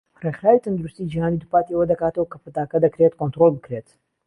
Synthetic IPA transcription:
reχɾaːwit̪ʰɐnd̪uɾust̪id͡ʒihaːnid̪upaːt̪iɐwɐd̪ɐkaːt̪ɐwɐkɐpɨt̪aːkɐd̪ɐkɾet̪kont̪ɾolˠbɨkɾet̪

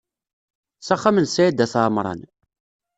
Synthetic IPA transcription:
sæχːamənsæjid̪æθaʕmɾˤɑ̰n

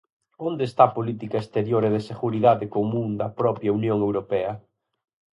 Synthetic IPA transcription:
ond̪eːst̪apolit̪̬ikɐest̪eɾjoɾeðɪseɣuɾiðaðɪkomũŋd̪ɐpɾɔpjɐunjoŋewɾopɛɐ

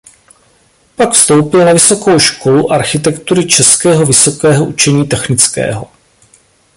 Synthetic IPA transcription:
pakfst̪o̞wpɪlnavɪso̞ko̞wʃko̞luʔaɾxɪt̪ɛkt̪uɾɪt͡ʃɛskɛːɦo̞vɪso̞kɛːɦo̞ʔut͡ʃɛɲiːt̪ɛxnɪt͡skɛ̰ːɦo

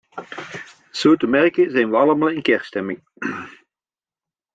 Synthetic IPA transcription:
z̥oːtəmɛrkəzɛjnʋəɑləmɑːlˠɪnkɛrstɛmɪŋ

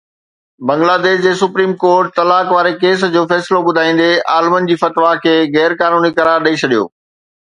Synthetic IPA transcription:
bɐ̃ŋɡlaːd̪eːʃd͡ʑeːsʊpɾiːmkoːɾʈ̚t̪ɐlaːkʋaːɾekeːs̬d͡ʑoːfɛːsloɓʊd̪ʱaːĩːn̆d̪eaːlmən̆d͡ʑiːfɐt̪ʋakʰeːɣɛːɾkaːnuːnikɐɾaːɾɗɐit͡ɕʰɐɗijo̰ː

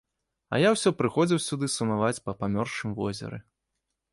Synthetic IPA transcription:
ɐ̰jawsʲɔpɾɨxɔd͡zʲiwsʲud̪ɨsunavat͡sʲpɐpamʲɔrʂɨmvɔ̰zʲɛ̰ɾɨ̰

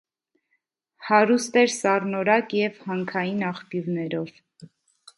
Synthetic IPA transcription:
hɑɾust̪ɛɾsɑrnɔɾɑkjɛvhɑŋkʰɑjinɑχpjuvnɛɾɔv̥

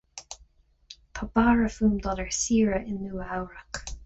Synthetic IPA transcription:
pʰabaːɹəfuːmd̪ɔləɹsiːɹəʔɪnːuːawɹak

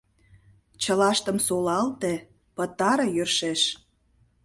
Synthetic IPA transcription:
t͡ɕə̆lɑʃt̪əmsolɑlt̪ĕ | pə̆t̪ɑɾɤ̆jørʃeʃ

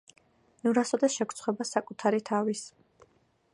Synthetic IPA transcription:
nuɾasɔd̪ɛsʃɛkʰɾt̪sʰχwɛbasakʼut̪ʰaɾit̪ʰavis

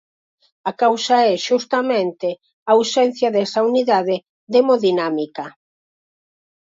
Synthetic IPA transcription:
akawsaɛʃust̪ɐmẽnt̪ɪ | ausɛn̟θjɐðɛsauniðaðɪ | ðemoðinamikɐ

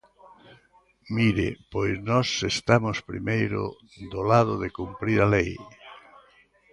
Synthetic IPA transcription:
miɾɪ̰pojsnɔsest̪amospɾḭmejɾʊ̰ | d̪olaðʊðekumpɾiɾalej

